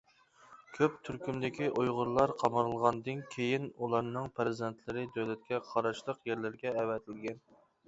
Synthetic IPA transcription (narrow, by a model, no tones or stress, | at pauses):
kʲʰøp̚t̪ʰyɾkʲymd̪ɪkʲiʔujʁʊɾlˠɑɾqʰɑmɑɾɨlˠʁɑnd̪ɨnkʲʰejinulˠɑɾnɨŋpʰɾɪzɨd̪ɛnt̪ʰlɪɾɨd̪øwlɛt̪̚kʲɛqʰɑɾɑʃlˠəqjeɾlɪɾɡʲɛːvɛt̪ʰɪlɡʲɛn